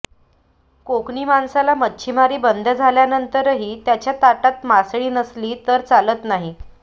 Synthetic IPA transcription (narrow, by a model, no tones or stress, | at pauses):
kokɳiːmansalamətːt͡ɕʰimaɾiːbənd̪ʱəd͡zʱaljanənt̪əɾɦiːt̪jat͡ɕjat̪aʈat̪masɭiːnəsliːt̪əɾt͡salət̪naɦi